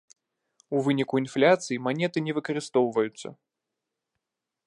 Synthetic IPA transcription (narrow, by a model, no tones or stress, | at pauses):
uvɨnʲikuinflʲat̪sɨjimanʲɛt̪ɨnʲɛvɨkɐɾɨst̪ɔwvɐjut̪sːɐ̰